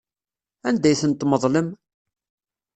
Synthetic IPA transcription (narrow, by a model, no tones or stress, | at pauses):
ænd̪æjθənt̪ːməðˤləm